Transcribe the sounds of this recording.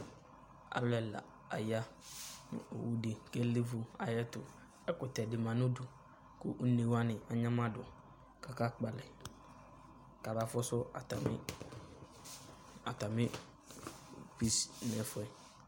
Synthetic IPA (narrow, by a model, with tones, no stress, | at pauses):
a̰˨lɛ˨la̰˨ | a̰˨ja˦nʊ̰̃˦o˨wu˦dɪ˨kɛ˦li˦fu˦a̰˨jɛ˦tʊ˨ | ɛ˦kʊ˨tɛ˨dɪ˨mã˨nʊ̃˦dʊ˨ | kʊ̰˦ʔne˨wa˦nɪ̃˨a˨ɲã˦mã˦dʊ˨ | ka˨ka˦k͡pa˨lɛ˨ | ka˨ɾa˦fɔ˦sʊ˦a˨ta˨mɪ̰˦ | a˨ta˨mɪ̃˦ | pi˦snɛ˨fʊ˦ɛ˦